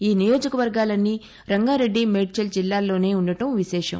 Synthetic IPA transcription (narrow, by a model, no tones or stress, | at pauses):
iːnijo̞ːd͡ʒɐkɐʋɐɾɡaːlɐnːi | ɾɐŋɡaːɾeɖːimeʈt͡ʃɐld͡ʒilːaːlːo̞ːne̞ːunːɐʈɐmʋiʃɛːʂɐ̰m